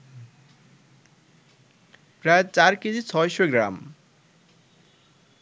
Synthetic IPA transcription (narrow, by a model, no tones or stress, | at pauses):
pɾaet͡ɕaɾkid͡ʑit͡ɕʰɔeʃoɡɾa̰m